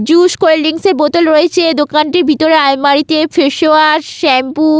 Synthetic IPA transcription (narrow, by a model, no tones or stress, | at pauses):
d͡ʑuʃkolɖiŋseɾbot̪olɾoet͡ɕʰed̪okanʈiɾbʱit̪oɾeajmaɾit̪efʰeʃoaɾʃɛmpu